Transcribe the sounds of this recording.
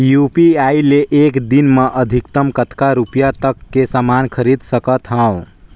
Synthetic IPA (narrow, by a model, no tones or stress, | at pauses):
jupiaileʔekd̪inmeʔəd̪ʱikt̪əmkət̪kaɾupijat̪əkːesamankʰəɾid̪səkət̪ɦə̃ʊ̃